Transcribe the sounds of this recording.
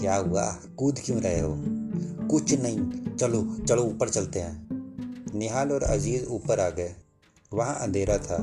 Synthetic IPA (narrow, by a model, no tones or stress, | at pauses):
kjaːɦʊa̰ː | kʊd̪ʱkɪjũːɾɐɦeɦoːkʊt͡ʃʰnɐĩt͡ʃəlot͡ʃəloːpəɾt͡ʃɐlt̪eɦãː | nɪɦaːloːɾɐ̰ziːzuːpəɾaːɡɛ | ʋɐɦãʔə̰̃nd̪ʱeːɾat̪ʰaː